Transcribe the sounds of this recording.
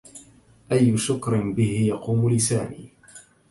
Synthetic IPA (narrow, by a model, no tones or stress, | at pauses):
ʔajːʊʃʊkɾɪnbɪhɪjɑquːmʊlɪsaːmḭː